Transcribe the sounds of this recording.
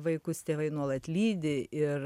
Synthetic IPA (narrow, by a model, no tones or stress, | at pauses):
ʋɐɪkʊst̪ʲeːʋɐɪnuɔlˠɐt̪ʲlʲiːd̪ʲɪʔɪr